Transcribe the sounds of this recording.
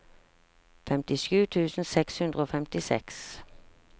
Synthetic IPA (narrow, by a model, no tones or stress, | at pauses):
fɛmt̪ɪʃʉːt̪ʰʉːsn̩sɛkshʉnd̪ʁəoːfɛmt̪ɪsɛ̰ks